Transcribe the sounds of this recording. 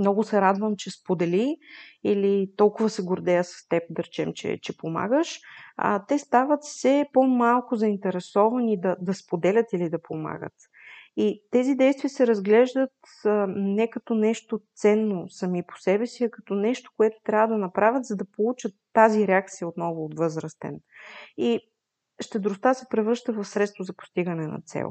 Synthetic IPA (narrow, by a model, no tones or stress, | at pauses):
mnɔɡʊsɛɾad̪vəmt͡ʃɛspod̪ɛliilit̪ɔlˠkʊvəsɛɡoɾd̪ɛjəsɐ̥st̪ɛp̚d̪ɐɾɛt͡ʃɛ̰mt͡ʃɛ̰t͡ʃɛpoma̰ɡəʃə̰t̪ɛst̪avət̪fsɛpomalˠkʊzɐint̪ɛɾɛsɔvɐnid̪ɐd̪ɐspod̪ɛlʲət̪ilid̪ɐpoma̰ɡə̰t̪ | it̪ɛzid̪ɛjst̪vijəsɛɾɐzɡlɛʒd̪ət̪ | nɛkɐt̪ɔnɛʃt̪ot̪sɛnːosɐmipo̥sɛbɛsiɐkɐ̥t̪ɔnɛʃt̪o̥koɛt̪ʊ̥t̪ɾʲavəd̪ɐnɐpɾavʲjət̪zɐd̪ɐpolˠut͡ʃət̪ːaziɾɛak̚t̪sijəot̪nɔvʊːt̪vɤzɾəst̪ɛ̰ni | ʃt̪ɛd̪ɾʊst̪asɛpɾɛvɤɾʃt̪əvɐfsɾɛt̪st̪vozɐpo̥st̪iɡənɛnɐ̰t̪sɛ̰lˠ